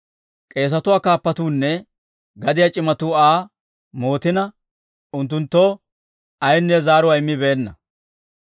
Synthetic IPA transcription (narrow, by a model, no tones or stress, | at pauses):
kʼe̞ːs̬ɐt̪ʊwaːkaːpːɐt̪uːnːɛ | ɡɐd̪ɪjat͡ʃʼɪmɐt̪uːaː | mo̞ːt̪ɪnɐ | ʊnt̪ːʊnt̪ːo̞ː | ɐjnːɛzaːɾʊwaɪmːɪbe̞ːnːɐ